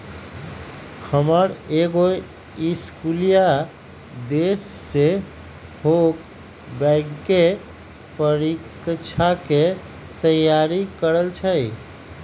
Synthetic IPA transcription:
həməɾeɡo | iskulija | d̪esːe | hok | bəɪɡke | pəɾik | t͡ʃʰake | t̪əjaɾikəɾəlt͡ʃʰəj

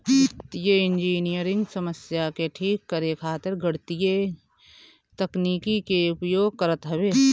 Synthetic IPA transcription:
ɪt̪jeɪnd͡ʒiːnijəɾɪ̃ŋɡsɐməsjakeʈʰiːkːəɾekʰaːt̪ɪɾɡʱəɽt̪ije | t̪ɐkniːkikeʊpjoːɡ̚kɐɾət̪ɦɐbeː

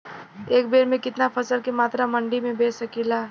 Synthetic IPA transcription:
eːk̚beːɾmẽkɪt̪napʰəsəlkemaːt̪ɾamɐ̃ɳɖimẽbeːsəkilaː

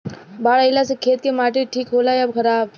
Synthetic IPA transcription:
baːɭəjlasekʰeːt̪̚kemaːʈeʈʰiːkɦoːlajɐbkʰəɾaːb

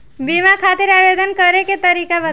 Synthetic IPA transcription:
bimakʰaːt̪iɾaːbed̪ənkəɾeket̪əɾiːkabə

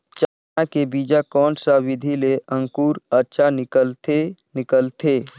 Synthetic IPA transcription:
t͡ʃa | akebid͡ʒakɔːnsawɪd̪ʱileʔə̃ŋkuːɾəʃʰanɪkəlt̪e | nɪkəlt̪ʰe

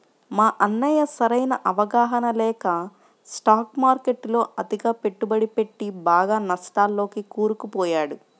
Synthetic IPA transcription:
maːʔɐnːɐjɐsɐɾɐjnɐʔɐʋɐɡaːɦɐnɐlɛːkɐ | sʈaːkmaːɾke̞ʈːlo̞ːɐd̪iɡaːpe̞ʈːubɐɽipe̞ʈːibaːɡaːnɐsʈ̪aːlːo̞ːkikuːɾukupɔːjaːɽu

